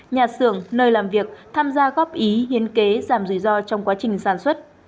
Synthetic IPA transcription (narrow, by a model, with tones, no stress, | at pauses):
ɲaː˨˩sɨ˧˩əŋnəː˧jlaː˨˩mvi˨˩ək̚t̪ʰaː˧mzaː˧ɣɔ˦˥p̚ʔi˨˦ɦi˨˦ənke˨˦zaː˧˩mzɨ̰˧˩zɔ˧t͡ɕɔ˧wŋ͡mkwaː˨˦t͡ɕï˨˩ŋ̟saː˧˩nswə˦˥t̚